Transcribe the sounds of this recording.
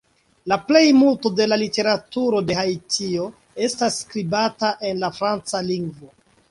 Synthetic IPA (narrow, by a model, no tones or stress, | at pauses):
laple̞jmulto̞de̞lalite̞ɾatuɾo̞de̞ɦajtʰio̞ | e̞stasːkɾibataʔe̞nlafɾant͡saliŋɡvo̞